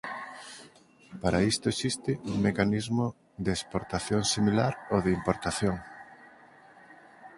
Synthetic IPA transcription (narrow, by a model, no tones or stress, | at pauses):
paɾaist̪oesist̪ɪuŋmekanizmo | ðeespoɾt̪aθjoŋsimilaɾoðeimpoɾt̪aθjoŋ